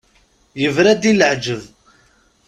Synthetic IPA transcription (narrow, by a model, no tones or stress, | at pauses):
jəvɾæd̪iləʕd͡ʒəv